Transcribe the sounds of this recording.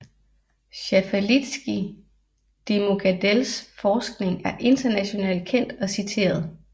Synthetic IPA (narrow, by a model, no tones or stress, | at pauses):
ɕæfælid̥sɡ̥i | d̥e̝mo̝ɡ̥ʰæd̥elsfɒːsɡ̥ne̝ŋæɐʔe̝nd̥ɐnæɕo̝nɛ̰ːld̥̚kʰen̰d̥ɒ̽sit͡sʰe̝̰ːɐð̞ˠ